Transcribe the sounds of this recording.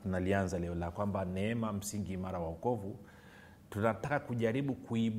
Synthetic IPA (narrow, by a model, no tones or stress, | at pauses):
tunalianzalɛɔlakwambanɛɛmam̩siŋɡimaɾawaukɔvu | tunatakakuʄaɾiɓukuiɓ